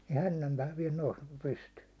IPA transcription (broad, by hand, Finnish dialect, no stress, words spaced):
jɑ hænːæmpæː ʋiɛl nous pystyː